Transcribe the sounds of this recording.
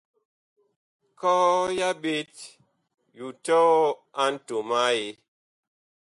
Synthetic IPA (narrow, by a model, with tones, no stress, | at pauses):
kɔ˦ja˦be˦t | ju˨tɔ˦a˦n̩˦to˨ma˦je˨˦